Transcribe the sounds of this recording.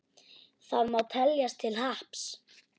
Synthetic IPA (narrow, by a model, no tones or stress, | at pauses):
θaðmawt̪ʰɛljast̪ʰɪlɦahps